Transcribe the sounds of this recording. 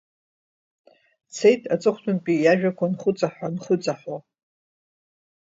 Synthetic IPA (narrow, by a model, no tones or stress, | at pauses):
t͡sʰe̞jtʼʰat͡sʼɨχʷtʷʰʼʊnpʼijaʒᶣakʷanχʷʊt͡sʼaħʷanχʷʊt͡sʼaħa